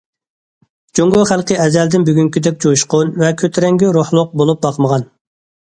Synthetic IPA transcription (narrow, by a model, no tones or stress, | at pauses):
d͡ʒoŋɡoχælˠqɨɛzɛld̪ɪnbyɡʲyŋkʲid̪ɛkʲd͡ʒojuʃqʊnvɛkʲʰøt̪ʰɾɛŋɡʲiɾohlˠʊq̚bolˠup̚bɑqʰməʁɑn